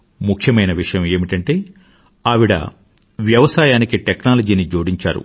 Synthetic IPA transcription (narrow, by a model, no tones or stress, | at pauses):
mukʰjɐmɐjnɐʋiʂɐjɐme̞ːmiʈɐɳʈe̞ː | aːʋiɽɐ̰ | ʋjɐʋɐsaːjaːnikiʈeknaːlɐd͡ʒiːnid͡ʒoːɽiɲt͡ʃa̰ːɾṵ